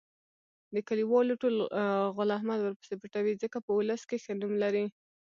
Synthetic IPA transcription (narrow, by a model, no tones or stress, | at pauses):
d̪əkaliwɑloʈolɣʊlahmad̪wəɾpə̥sepəʈawid͡zəkapəʊləskexənumlaɾi